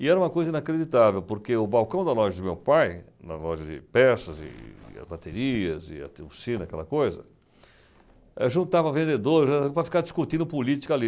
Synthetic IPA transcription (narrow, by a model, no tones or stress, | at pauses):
ɪɛɾɐũmɐkojzɐĩnakɾed͡ʒit̪avewpoɾkeʊbawkɐ̃w̃d̪ɐlɔʒɐd͡ʒɪmewpajnɐ̰lɔʒɐd͡ʒɪ̰pɛsɐzɪ̰ɐ̰zbat̪eɾiɐzɪ̰ɐ̰t̪ofsĩnɐakɛ̰lɐkojzɐ̰ | ɛʒũt̪avɐvẽnd̪ed̪oɾʒapɾɐfi̥kaɾd͡ʒiskut̪ĩd̪ʊpolit͡ʃi̥kɐli